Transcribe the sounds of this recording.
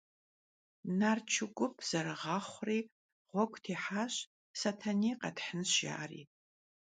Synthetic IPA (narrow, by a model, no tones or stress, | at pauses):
nart͡ʃʰʊɡʷʊpʰz̥ɐɾɨʁɑχʷriː | ʁʷɔɡʷʼtʰeːħaɕ | satʰaniːqɐdħənʒa̰ːrḭː